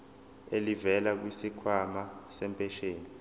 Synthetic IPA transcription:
elivɛlak̬wisikʰwamasɛmpʼɛʃeːni

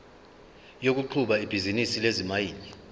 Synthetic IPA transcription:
jok̬uǃʰuɓaib̥ʱizinisilezimajiːli

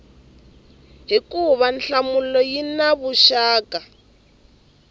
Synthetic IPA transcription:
ɦikuβanɬamulɔjinaβuʃaːka

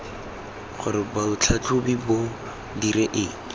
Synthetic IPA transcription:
χʊɾɪbabʊt͡ɬʰat͡ɬʰʊbibo | diɾɛʔɪ

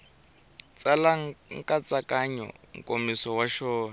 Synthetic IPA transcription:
t͡sʼalaŋŋkʼat͡sʼakʼaɲɔ̰ŋ̩kʼomisɔwaʃɔːna

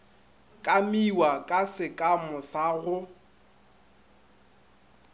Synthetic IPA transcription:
kʼamiwakʼasɪkʼamʊsaɣʊ

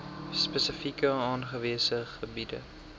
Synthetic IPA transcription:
spəsəfikəɑːnχəviəsəχəbidə̰

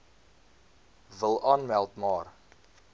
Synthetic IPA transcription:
vəlˠʔɑːnmælˠtmɑːr

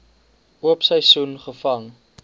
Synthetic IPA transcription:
uəpsəjsunχəfɐŋ

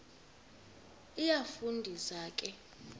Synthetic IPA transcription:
ijafundʱizaːkʼɛ

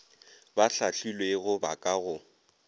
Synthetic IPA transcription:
baɬaɬilweɣʊbakʼaɣʊ

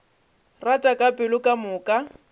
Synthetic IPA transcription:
ratʼakʼapʼɪlʊkʼamʊːkʼa

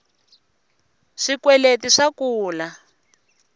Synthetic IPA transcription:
ʂikwɛletiʂakuːla

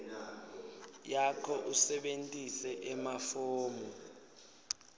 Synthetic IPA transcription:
jakʰɔʔusɛɓentʼisɛʔɛmafoːmɔ

